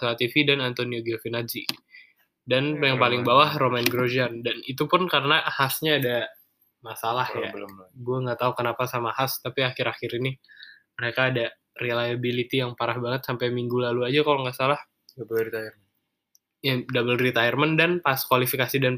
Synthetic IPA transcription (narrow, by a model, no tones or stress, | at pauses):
slat̪ifidanant̪onioɡiafinad͡ʒi | danjaŋpalɪŋbawahromanɡɾod͡ʒiandanit̪upʊnkarənahasɲaːda | masalahja̰ɡuaŋɡat̪aukənapasamahast̪apiaxɪɾaxiɾini | məɾekaːda | relajabilit̪ijaŋpaɾahbaŋət̪sampajmiŋɡulaluad͡ʒakaloŋɡaʔsalah | bit̪ar | jadabəlrit̪ajərməndanpaskwalifikasidan